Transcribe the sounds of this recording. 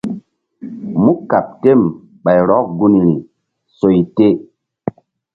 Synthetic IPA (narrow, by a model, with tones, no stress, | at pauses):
mu˦ka˨p̚te˦˨m | ɓa˨jɾɔ˦k̚ɡu˦n˨ɾi˨ | so˨jte˦